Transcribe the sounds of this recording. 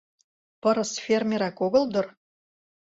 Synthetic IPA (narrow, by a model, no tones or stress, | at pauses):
pɤ̆ɾə̆sfʲermʲeɾækoɡɤ̆lˠd̪ɤ̆r